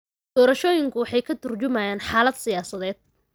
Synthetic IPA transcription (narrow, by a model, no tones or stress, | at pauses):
d̪̥ɔːɾɐʃɔːjɪŋkʰʊwɑħɑjkʰɐt̪ʰʊrt͡ʃʊmaːjaːnħaːlɐd̪sɪjaːsɐðɛːd̪̥̚